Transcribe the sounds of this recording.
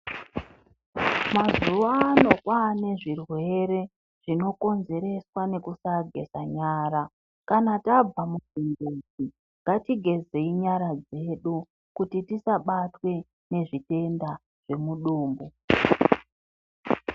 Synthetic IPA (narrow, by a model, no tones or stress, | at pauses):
mazuʋaːno̞kwane̞ʐirwe̞ɾe̞ | ʐ̥ino̞ko̞nze̞ɾe̞swane̞kusaɡʱe̞̰saɲaːɾa | kanatab͡vamuziŋɡod͡zi | ŋɡatiɡʱe̞ze̞iɲaɾad͡ze̞ɗu | kutitisaɓatwe̞ | ne̞ʐite̞nda | ʐ̥e̞muɗuːmbu